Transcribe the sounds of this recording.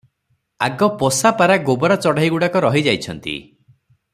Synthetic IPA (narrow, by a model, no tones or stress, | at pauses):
aɡɔpɔsapaɾaɡobɔɾat͡ʃɔɽaɦiɡuɽakɔɾɔɦid͡ʒajt͡ʃʰɔnt̪ḭ